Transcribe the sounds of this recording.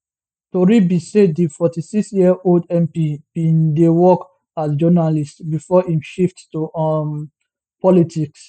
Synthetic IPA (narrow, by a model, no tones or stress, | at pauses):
toɹibised̚difɔtisiksjiɛʔoldɛ̃mpib̥ĩndewɔk | asd͡ʒɔnalistbifɔhĩmʃifttum | pɔlitʰiks